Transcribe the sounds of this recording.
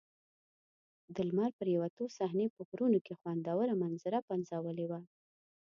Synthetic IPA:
d̪əlmaɾpəɾjawat̪osaɦnepəkuɾunokexwand̪ɑwəɾamanzəɾapanzawəlewa

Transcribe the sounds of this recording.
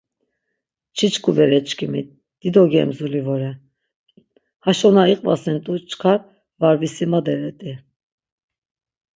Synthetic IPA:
t͡ʃʰit͡ʃkʰʼuvɛɾɛt͡ʃkʰʼimit̪̚ | d̪̥id̪ɔɡɛ̰mzulivɔɾɛ | haʃɔnaiqʼva̰sɛnt̪ʼut͡ʃʰkʰaɾ | vaɾvisimad̪ɛɾɛt̪ʼi

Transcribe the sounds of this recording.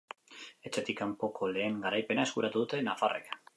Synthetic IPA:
e̞t͡ʃe̞t̪ikampo̞kʰo̞le̞ːŋɡaɾajpe̞naeskuɾat̪uðut̪e̞nafarḛk

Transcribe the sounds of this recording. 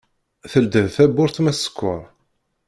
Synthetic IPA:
θəld̪əðθæbʊɾθmæsə̥kʷːʊɾˤ

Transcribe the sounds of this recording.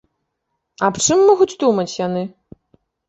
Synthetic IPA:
ɐpt͡ʂɨmːɔɣut͡sʲd̪umɐt͡sʲjanɨ

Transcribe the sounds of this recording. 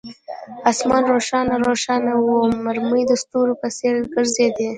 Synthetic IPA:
asmɑnɾoʃɑnaɾoʃɑnawomaɾmujd̪əst̪uɾopəseɾɡəɾzed̪e

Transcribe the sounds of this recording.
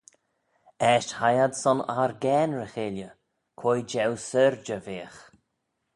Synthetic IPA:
ɛʃhajad̪sɔna̰ɾɡɛːnɹəxeːljə | kʰojd͡ʒɛwsəɾd͡ʒəveːx

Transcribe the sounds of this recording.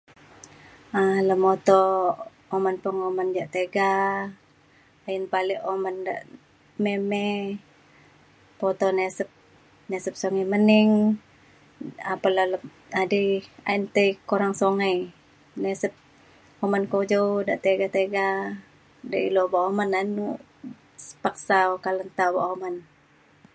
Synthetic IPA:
aləmot̪oː | mənpəŋomənd͡ʒaʔt̪eɡa | ənpaliʔomanda̰ʔ | memɛ | pot̪ɔnesəp̚ | nɛsəp̚soŋajməniŋ | apalalə | adɛa̰int̪eikoɾaŋsoŋaj | nɛsəp̚ | omankod͡ʒowdaʔt̪eɡat̪eɡa | daʔilobaomananu | sə̥pak̚saokalənt̪aba̰ʔoman

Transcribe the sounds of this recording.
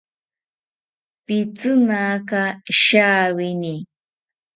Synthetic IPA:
pit͡sɨnaːkaʃaːwini

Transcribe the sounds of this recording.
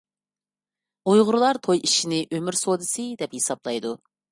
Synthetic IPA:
ujʁʊɾɨlˠɑɾt̪ʰojiʃinɪʔømyɾsod̪ɨsɨd̪ɛphesɑblˠɑjd̪u

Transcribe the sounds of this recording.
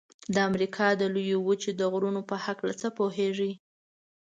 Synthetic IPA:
d̪əamɾikʰɑd̪əlujowut͡ʃed̪əɣɾunopəhaklat͡səpoɦeʐi

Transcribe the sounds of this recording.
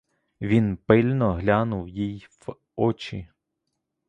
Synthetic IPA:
ʋʲinpɪlʲnɔɦlʲɑnʊwjijw | ɔt͡ʃi

